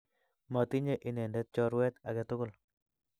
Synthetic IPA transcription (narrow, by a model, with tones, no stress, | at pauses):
ma˨t̪i˦ɲe˦ʔi˨nɛ˨ndɛ˦t̪̚t͡ʃɔ˦ɾwɛ˦t̪a˨ɡɛ˨t̪ʊ˦kʊ˦l